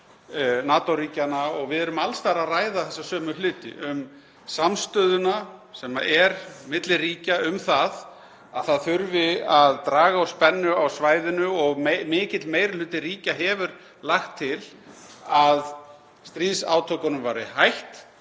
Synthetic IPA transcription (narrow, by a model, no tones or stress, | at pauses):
naːt̪owɾiːcanaɔɣvɪðɛɾʏmalst̪aɾaðraːjðaθɛsːasœːmʏlʏːt̪ɪ̰ʔʏm | samst̪œːðʏnasɛma̰ʔɛɾmɪt̪lɪriːcaʏmθað | aðθaðθʏɾvɪaðt̪ɾaːɣaawspɛnːʏawsvaːjðɪnʏɔɣmɪːcɪt̪lmeːjɾɪl̥ʏːt̪ɪriːcaɦɛvʏɾ | laxt̪ʰːɪlað | st̪ɾiːðsa̰ːwt̪ʰœwkanʏmvajɾɪhajht̪